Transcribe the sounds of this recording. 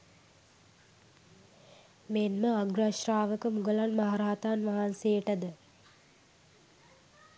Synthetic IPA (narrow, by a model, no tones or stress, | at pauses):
menməaɡraʃraːʋəkəmuɡəlanmaɦaɾaat̪aːnʋaɦansejəʈɐd̪ə